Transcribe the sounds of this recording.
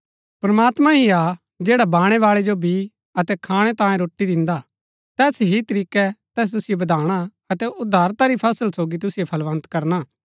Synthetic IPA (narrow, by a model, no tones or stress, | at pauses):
pɾɐmaːt̪mãɦia | d͡ʒeːɽabaːɽ̃ɛʋaːɭɛd͡ʒobʱi | ɐt̪ɛkʰaːɽ̃ɛt̪ãːjẽɾoːʈːid̪ɪ̃nd̪a | t̪ɛːsɦit̪ɐɾiːkɛt̪ɛːs̬t̪ʊsɪjobɐd̪ʱaːɽ̃a | ɐt̪ɛʔʊd̪ʱːaːɾt̪aɾipʰɐsəlsoːɡit̪̬ʊsɪjepʰɐlʋɐ̃nt̪kɐɾna